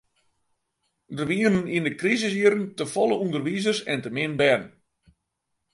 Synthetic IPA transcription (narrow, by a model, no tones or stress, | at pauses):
dərʋiənənindəkrizəs̬iəɾəntəfɔlˠəundərʋizərsɛntəmɪnbɛnn